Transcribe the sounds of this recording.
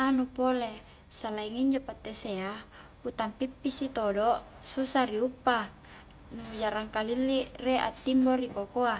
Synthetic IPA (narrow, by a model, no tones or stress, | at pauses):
anupole | salaiŋiɲd͡ʒopat̪ːesea | ut̪ampipːisit̪odo | susaɾiupːa | nuud͡ʒaɾaŋkalilːireʔa̰t̪ːimboɾikokoa